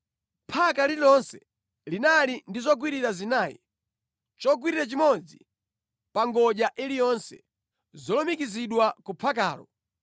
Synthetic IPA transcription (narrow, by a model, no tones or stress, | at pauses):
pʰakalilɔnsɛ | linalindizɔɡ̬wiɾiɾazinaːjḭ | t͡ʃɔɡ̬wiɾiɾat͡ʃimɔd͡zi | paŋɡɔʄaʔilijɔnsɛ̰ | zɔlɔmikiziɗwakupʰaka̰ːlɔ̰